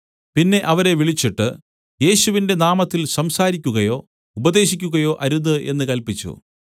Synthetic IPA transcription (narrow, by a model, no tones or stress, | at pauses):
pinːe̞ʔɐʋɐɾe̞ʋiɭit͡ɕːiʈːɨ | je̞ːɕuʋinde̞naːmɐt̪ːilsɐmsaːɾikʲːuɣɐjo̞ː | ubɐd̪e̞ːɕikʲːuɣɐjo̞ːʔɐɾuðɨʔe̞̰nːɨkɐlpit͡ɕːṵ